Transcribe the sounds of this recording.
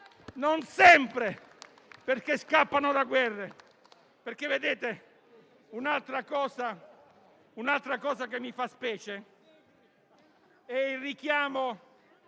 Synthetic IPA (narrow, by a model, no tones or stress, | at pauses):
nonsɛmpɾe | perkeskapːanod̪aɡwɛrːe | perk̟evːed̪eːt̪e | unalt̪ɾakɔːsa | unalt̪ɾakɔːsakemːifaspɛːt͡ʃe | ɛilrikjaːmo